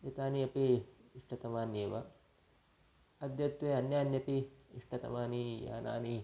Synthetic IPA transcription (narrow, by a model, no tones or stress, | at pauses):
it̪aːniɐpiːʂʈɐt̪ɐmaːnjeːʋɐ | ɐd̪jɐt̪ʋeɐnjaːnjɐpiːʂʈɐt̪ɐ̰maːnija̰ːna̰ːni